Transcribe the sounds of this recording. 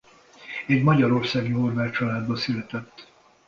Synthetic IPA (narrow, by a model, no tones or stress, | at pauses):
ɛɟmɒɟɒɾo̞rsaːɡiɦorvaːkt͡ʃɒlaːd̪bɒsylɛt̪ɛt̪ː